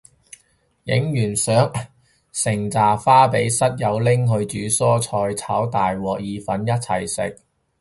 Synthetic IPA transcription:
jɪ̰˨˥ŋjyː˨˩nsœː˨˥ŋ | sɪ˨˩ŋt͡saː˨˩faː˥pe˨˥jsɐ˥t̚jɐ˨˧wlɪ˥ŋɦɵ˧ɥt͡ʃyː˨˥sɔː˥t͡sʰɔː˧jt͡sʰaː˨˥wt̪aː˨jwɔː˨˩k̚jiː˨˧fɐ˨˥njɐ˥t̚t͡sʰɐ˨˩jsɪ̰˨k̚

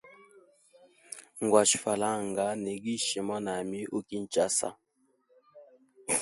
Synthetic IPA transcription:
ŋ˨ɡwa˨ʃi˨fa˨la˦˨ŋɡa˨˦nɛ˨ɡi˦ʃi˨ma˦na˨mi˦ʔo˦ki˦n̩˨t͡ʃa˦sa̰˨

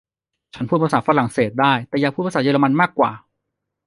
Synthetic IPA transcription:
t͡ɕʰa˦˥nʰpuː˥˩t̪̚ːsaː˩˥fa˧la˨˩ŋseː˨˩t̪̚daː˥˩jt̪ɛː˨˩jaː˨˩pʰu˥˩˧sa˩jə˧a˧ma˧nmaː˥˩kːwaː˨˩

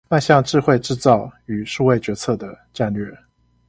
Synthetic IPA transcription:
na˥˧ɕjɑ˥˧ŋʈ͡ʂɻ̩˥˧xwe˥˧ɪʈ͡ʂɻ̩˥˧t͡sɑ˥˩ʊy˨˩ʂu˥˧we˥˩ɪt͡ɕɥɛ˧˥t͡sʰɤ˥˩d̪ə˩ | ʈ͡ʂa˥˧nlɥɛ˥˩

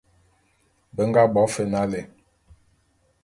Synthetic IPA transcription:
bə˨˦ŋɡa˦bɔ˨˦fe˨na˦le˨

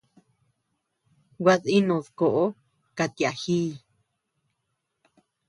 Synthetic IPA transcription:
wʷa˧ði˦nõ˨ðko˨ʔo˦ | ka˧t̪i˨a˨hiː˦˨

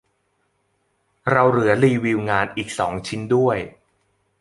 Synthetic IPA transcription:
ɾa˧wɾɯ˩˦ɐliː˧wiː˧wŋaː˧nʔiː˨˩k̚sɔ̰ː˩˦ŋt͡ɕʰi˦˥ndu˥˩əj

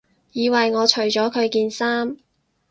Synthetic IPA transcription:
jiː˨˧wɐ˨jŋɔː˨˧t͡ʃʰɵ˨˩ɥt͡ʃɔː˨˥kʰɵ˨˧ɥkiː˧nsaː˥m

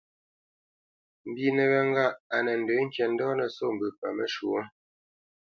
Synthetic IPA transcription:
m̩˨bi˨nə˨βə˨ŋ˦ɡa˦˨ʔa˨nə˨n̩˨də˨˦ŋ̩˦kjɛ˨n̩˦dɔ˦nə˨so˦˨m̩˨bʉ˨pa̰˨mə˦ʃu˨o˦

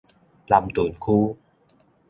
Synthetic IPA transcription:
laː˨˩mt̪u˨˩˦ənxʰu˧

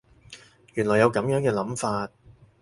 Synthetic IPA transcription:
jyː˨˩nlɔː˨˩jɐ˨˧wkɐ˨˥mjœː˨˥ŋkɛː˧lɐ˨˥mfaː˧t̚

